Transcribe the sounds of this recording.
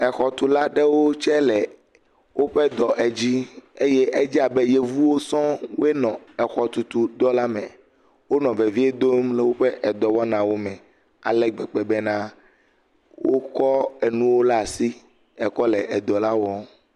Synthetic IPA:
ɛ˨xɔ˨t̪u˨la˦ɖe˦wo˦t͡ʃɛ˦lɛ˨ | wʔo˦ɸɛ˦d̪ɔ˨ʔɛ˨d͡ʑi˦e˦je˦ʔɛ˦d͡ʒi˦a˨be˦je˦vu˦wo˦sɔ̃˦we˦nɔ̃˨ɛ˨xɔ˨t̪u˨t̪u˨d̪ɔ˦la˦mɛ̃˨ | wo˦nɔ̃˨ve˨vi˦e˦d̪o˦mle˨wo˦ɸɛ˦ʔɛ˨d̪ɔ˨wɔ˦nã˨wo˦mɛ̃˨ | a̰˨lɛ˦ɡ͡bɛ˨k͡pe˨bɛ˦nã˦ | wo˦kɔ˦ɛ˨nũ˦wo˦la˦a˨si˦ | ɛ˨kɔ˦lɛ˨ʔɛ˨d̪ɔ˨la˦wɔ˦

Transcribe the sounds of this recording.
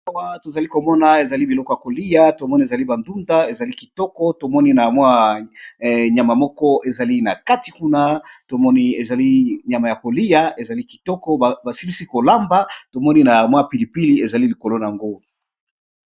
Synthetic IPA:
a˨wa˦to˨za˨li˦ko˨mɔ˦na˨e˨za˨li˦bi˨lɔ˦kɔ˦ja˨ko˨li˦ja˦to˨mɔ˦ni˦e˨za˨li˦ba˨ndu˦nda˦e˨za˨li˦ki̥˨tɔ˦kɔ˦to˨mɔ˦ni˦na˨mwa˦ | ɲa˨ma˨mɔ˦kɔ˦e˨za˨li˦na˨ka˦ti˨ku˦na˦to˨mɔ˦ni˦e˨za˨li˦ɲa˨ma˨ja˨ko˨li˦ja˦e˨za˨li˦ki̥˨tɔ˦kɔ˦˨ba˨si˦li˦si˦ko˨la˦mba˦to˨mɔ˦ni˦na˨mwa˦pi˨li˨pi˦li˦e˨za˨li˦li˨ko˨lo˦n˨a˨ŋɡo˦

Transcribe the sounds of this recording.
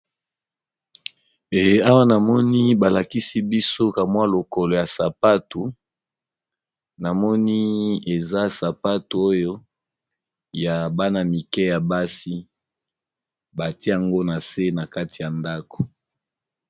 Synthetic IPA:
e˨je˦a˦wa˦na˨mɔ˦ni˦ba˨la˨ki˦si˦bi˦so˦ka˨mwa˦lo˨ko˨lo˨ja˨sa˨pa˦tu˨ | na˨mɔ˦ni˦e˨za˦sa˨pa˦tu˨o˦jo˦ | ja˨ba˦na˨mi˨kɛ˦ja˨ba˦si˦ | ba˨te˦a˨ŋɡo˦na˨se˦na˨ka˦ti˨ja˨nda˦ko̥˨

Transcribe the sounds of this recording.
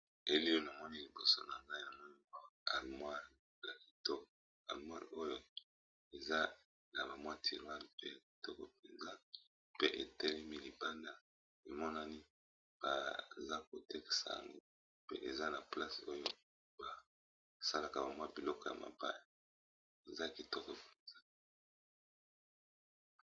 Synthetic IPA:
e˨li˦o˦na˨mɔ˦ni˦li˨bo˨so̰˦na˨ŋɡa˦i˦na˨mɔ˦ni˦ko˦a˨lmwa˦l | la˨ki̥˨to˦k | a̰˨lmwa˦lo˦jo˦ | e˨za˦ | na˨ba˨mwa˦tʰi˨lwa˦li˨pe˦ja˨ki̥˨tɔ˦ko̰˨p̚e˨nza˦ | pe˦ʔe˨tɛ˦li˦mi˦li˨ba˦nda˦ | e˨mɔ˦na˦ni˦ | b̥a̰˨za˦ko˨tɛ˦ke̥˨sa̰˨ŋɡo˦ | pḛ˦ʔe˨za˦na˨pla˦so˦jo˦ | ba˨ | sa˦la˨ka˨ba˨mwa˦bi˨lɔ˦kɔ˨ja̰˨ma̰˨ba̰˦i˦˨ | e˨za˦˨ki˨tɔ˦kɔ˨pe˨nza˦

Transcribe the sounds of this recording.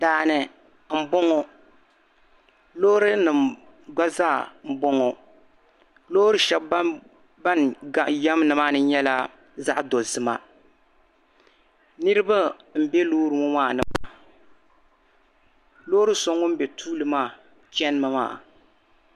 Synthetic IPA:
daː˨nɨ˨ | m̩˨bɔ˦ŋɔ˦ | loː˦ɾɨ˦nɨ˨m | ɡ͡ba˦zaː˦˨m̩˨bɔ˦ŋɔ˨ | lo˦ɾɨ˦ʃɛ˦b | ba˦na˨jɛ˦m˦nɨ˨maː˦nɨ˦ɲɛ˦la˦ | za˦ʔdo˨zɨ˨ma̰˨ | nɨ˦ɾɨ˦ba˦m̩˨bɛ˦loː˦ɾɨ˨mɔ˦maː˦˨nɨ˨ma˨ | loː˦ɾɨ˦so˦ŋɔ˦m̩˦bɛ˨tʰuː˦lɨ˨maː˦˨ | t͡ʃɛ˦n˦mɨ˨ma̰ː˦˨

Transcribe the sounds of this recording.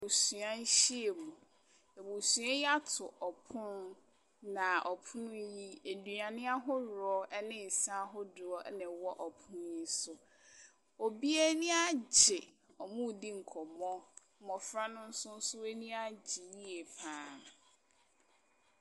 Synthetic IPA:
u˨su˨ã˦n̩˦ɕi˦e˨mũ˨ | e˨bu˨su˨˦ã˦ja˦tʰʊ˨ʔɔ˨pʰʊ̃˦n | nã˨ʔɔ˨pʰʊ˦nʊ̃˦ji˦e˨du˨a˨nɪ̃˦a˦ɦʊ˦ɾɔ˦ʔɛ˦nɪ̃˦˨n̩˨sã˦ɦʊ˦dʊ˨ɔ˦ʔnɛ̃˨wɔ˦ʔɔ˨pʰʊ̃˦n˦i˦sʊ˦ | o˨bi˦e˦nɪ̃˦a˦d͡ʑɪ˨ | ɔ˨mũ˦˨di˦ŋ̩˨kʰɔ˨mɔ̃˦ | mɔ̃˨fɾa˦nʊ̃˦n̩˦sʊ̃˦n̩˦sʊ˦e˦nĩ˦a˦d͡ʑɪ˨ji˦e˨pʰãː˦˨

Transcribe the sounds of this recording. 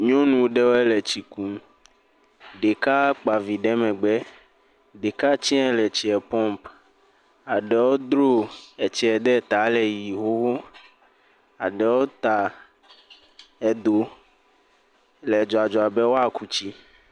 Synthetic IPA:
ɲɔ̃˦nũ˨wɖɛ˦wo˦ɛ˦lɛ˨t͡ɕi˨ku˦ | ɖe˨ka˦k͡pa˨vi˨ɖɛ˦mɛ̃˨ɡ͡bɛ˦ | ɖe˨ka˦t͡ɕi˦ɛ̃˦lɛ˨t͡ɕi˨ɛ˨pɔ̃˦mp | a˨ɖɛ˨wo˦d̪ɾo˦ɛ˨t͡ʃi˨˦ɛ˨d̪ɛ˦˨t̪a˨˦lɛ˨ji˨ɦo˦wo˦ | a̰˨ɖɛ˨wo˦t̪a˨ | ɛ˨d̪o˨ | lɛ˨d͡ʒɔ˨a˨d͡ʒɔ˨a˨bɛ˦wo˦a˦˨ku˦t͡ɕi˦

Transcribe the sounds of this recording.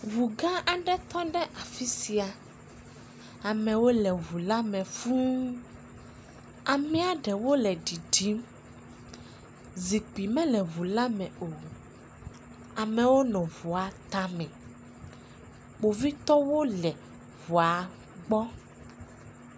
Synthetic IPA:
vu˨ɡã˦ʔa˨ɖɛ˦t̪ɔ˦ɖɛ˦ʔa˨fi˦si˨a˨ | a˨mɛ̃˨wo˦lɛ˨βu˨la˦mɛ̃˨fũ˦ | a˨mɛ̃˦a˨ɖɛ˨wo˦lɛ˨ɖi˨ɖi˨˦m | zi˨k͡pi˨mɛ̃˦lɛ˨βu˨la˦mɛ̃˨o˨ | a˨mɛ̃˨wo˦nɔ̃˨vu˨a˨t̪a˦mɛ̃˨ | k͡po˨vi˦t̪ɔ˦wo˦lɛ˨ | vu˨a˨ | ɡ͡bɔ˦

